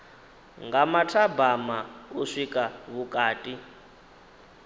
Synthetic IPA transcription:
ŋɡamatʰabamauʂikʼaβukʼaːtʼi

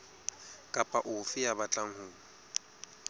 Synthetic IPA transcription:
kʼapʼaʔʊfɪjabat͡ɬʼaŋ̩hʊːŋ̩

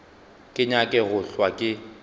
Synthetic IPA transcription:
kʼɪɲakʼɛɣʊɬwakʼɪ

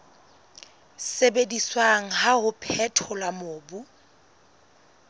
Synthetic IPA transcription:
sebediswaŋ̩ɦahʊpʰɛtʰɔlamoːbu

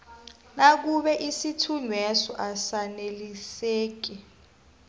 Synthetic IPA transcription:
nak̬uɓɛʔisitʰunwɛsɔʔasaneliseːk̬i

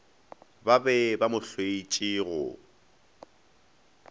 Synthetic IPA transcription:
babɛbamʊɬweit͡ʃʼiɣʊ̰

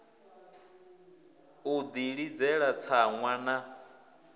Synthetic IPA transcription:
ud̪iɺid͡zɛɺat͡sʰaŋwana

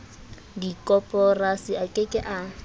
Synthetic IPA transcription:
dikʼɔpʼɔrasiakʼɪkʼɪʔa

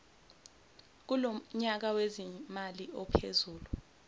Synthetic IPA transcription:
k̬uloɲak̬awezimaliɔpʰḛzuːlu

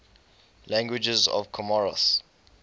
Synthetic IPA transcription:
lãŋɡwid͡ʒɛzɔ̰vkʰɔmɔɹə̰s

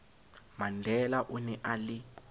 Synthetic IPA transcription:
mandʱɛlaʔunɛʔali

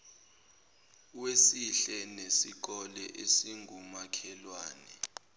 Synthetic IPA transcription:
wesiɬɛnesik̬ɔlɛʔesiŋʱumakʰɛlwaːnɛ

